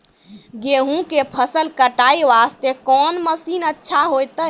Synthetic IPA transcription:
ɡeɦũkepʰəsəlkəʈaiʋast̪ekɔnməsinətːʃʰaɦojt̪əj

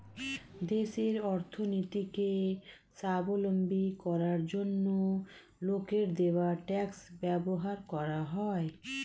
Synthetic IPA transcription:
d̪eʃeɾɔɾt̪ʰonit̪ike | sabolombikɔɾaɾd͡ʑonːo | lokeɾd̪ewaʈɛksbɛboɦaɾkɔɾaɦɔe

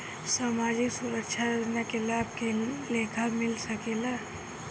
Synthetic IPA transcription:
saːmaːd͡ʒɪksuɾəkʃʰaɾonakelab̚keleːkʰamɪlsɐkela

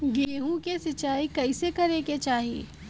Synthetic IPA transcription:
ɡeːɦũkesɪt͡ʃaːikɐɪsekɐɾeːket͡ʃaːɦiḛː

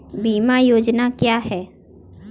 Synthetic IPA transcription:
biːmajoːd͡ʒnakjaːɦɛː

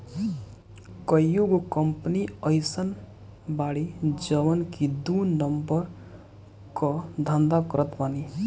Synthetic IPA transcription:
kʌjjuɡokəmpniəjsən | baɽid͡ʒəβənkid̪unəmbəɾ | kɔd̪ʱand̪akʌɾət̪bani

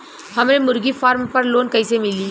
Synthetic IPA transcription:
hɐmemʊɾɡifaːɾmpɐɾloːnkɐisemɪliː

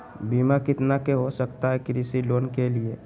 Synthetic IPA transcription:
biːmakɪt̪nakeɦosəkt̪aɦɛkɾisiloːnkelie

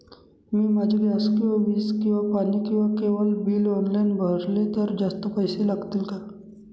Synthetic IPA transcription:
miːmad͡ʑʱeɡaskĩaʋiːskĩw̃ʋapaniːkĩw̃ʋakeʋəlbiːlɔnlajnbʱəɾlet̪əɾd͡ʑast̪əpəjselaɡt̪ilka

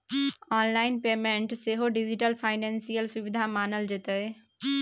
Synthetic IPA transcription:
aːnlaːɪnpeːmẽɳʈseɦoɖid͡ʒɪʈəlfʰaːɪnẽːnsijəlsʊʋɪd̪ʱamaːnəld͡ʒɪt̪əe

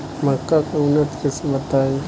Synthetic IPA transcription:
mɐkːakaʊnːət̪kɛsebɐt̪aːẽ

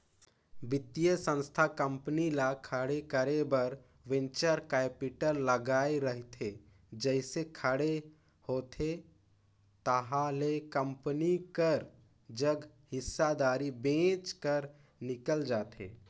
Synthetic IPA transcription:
bɪt̪ijəsə̃nst̪ʰakə̃mpnilakʰəɽekəɾebəɾ | ʋɪ̃nt͡ʃəɾkaepiʈəɾləɡaːeɾəɦt̪ʰe | d͡ʒəɪsekʰəɽe | hoːt̪ʰe | t̪əɦalekə̃mpənikəɾ | d͡ʒəɡ | hɪsːad̪aːɾibẽːt͡ʃkəɾ | nɪkəld͡ʒaːt̪ḛː

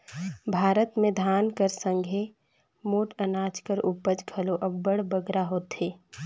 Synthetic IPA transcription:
bʱaːɾət̪mẽd̪ʱaːnkəɾsə̃ŋɡʱe | moːʈənaːt͡ʃkəɾupəd͡ʒkʰəloʔɐbːəɽbəɡɾaɦoːt̪ɦeː

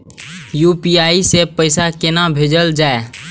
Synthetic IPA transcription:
jupiaːisepəɪsakɪnabʱeːd͡ʒəld͡ʒaːe

